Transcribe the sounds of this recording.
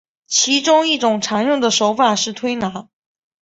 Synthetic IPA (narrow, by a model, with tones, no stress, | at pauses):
t͡ɕʰi˧˥ʈ͡ʂʊ˥ŋi˥˩ʈ͡ʂʊ˨˩ŋʈ͡ʂʰa˧˥nɻʊ˥˩ŋd̪ə˩ʂo˧˥ʊfa˨˩ʂɻ̩˥˩t̪ʰwe˥ɪna˧˥